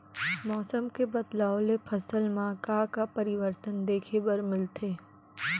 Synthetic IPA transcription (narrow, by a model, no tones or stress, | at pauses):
mɔːsəmkebɐd̪laːolepʰɐsəlmãkaːkapɐɾɪʋəɾt̪ənd̪eːkʰebəɾmɪlt̪ʰeː